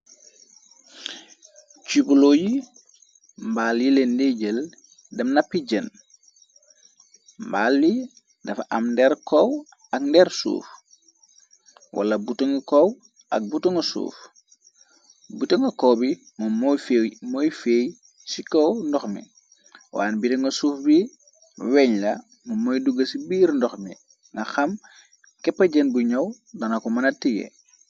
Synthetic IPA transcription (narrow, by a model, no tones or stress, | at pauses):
t͡ʃubuloːji | mbaːljilendeɟəl | dɐmnapːiɟən | mbaːlːi | dɐfʔɐ̰mndɛɾkɔw | ɐkndɛɾsṵːf | wʔa̰lɐbutuŋkow | ɐ̰k̚butuŋəsṵːf | butɐŋɡɐkɔːbi | mɔmɔfemɔjfeːj | sikɔwndɔxmḭ | wa̰ːnbitɐŋɡɐsuːfbi | wɛɲlɐ | mumːojduɡɐsibiːɾndɔxmḭ | ŋɡɐxɐm | kɛpːɐɟɐnbuɲɐw | dɐnɐkɔmɐnɐtiɡɛ̰